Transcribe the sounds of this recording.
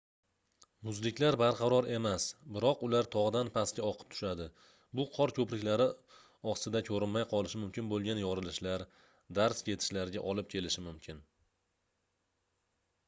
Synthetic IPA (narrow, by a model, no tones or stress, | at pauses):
mʊzlɪkʲlaɾbaɾqʰɑɾɒɾe̞masbɪɾɒqʊlaɾt̪ʰɒʁd̪anpʰaskʲaɒqʰɨ̥p̚t̪ʰʊ̥ʃad̪ɪ | bʊqʰɒɾkʲʰɵpɾɪkʲlaɾɪ | ɒsɪd̪akʰɵɾɪnmajqʰɒlˠɪʃɪmʊmkʲɪnbolˠɡʲanjɒɾɪlɪʃlaɾ | d̪aɾsjʰʲe̞t̪ʰɪ̥ʃlaɾɪɡʲaʔɒlɪp̚kʲʰe̞lɪʃɪmʊmkʲʰɪn